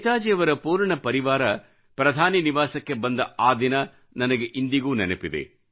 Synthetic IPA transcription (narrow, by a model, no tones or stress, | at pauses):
t̪aːd͡ʒɛjɐʋɐɾɐpuːɾɐɳɐpɐɾiʋaːɾɐ | pɾɐd̪ʱaːniniʋaːsɐkːebɐnd̪ɐaːd̪inɐ | nɐnɐɡeʔind̪iɡuːnɛnepid̪ḛ